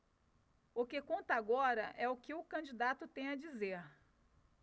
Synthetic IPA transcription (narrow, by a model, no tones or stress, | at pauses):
ʊkɪkõnt̪ɐaɡɔɾɐʔɛʊkɪʊkɐ̃d͡ʒid̪at̪ʊt̪ẽj̃ɐd͡ʒizeɾ